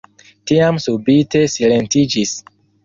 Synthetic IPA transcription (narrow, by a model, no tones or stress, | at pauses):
tiamsubite̞sile̞ntid͡ʒis